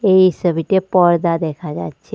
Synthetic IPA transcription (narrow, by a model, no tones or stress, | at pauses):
eisəbʱit̪epɔɾd̪ad̪ekʰad͡ʒa̰tːt͡ʃʰe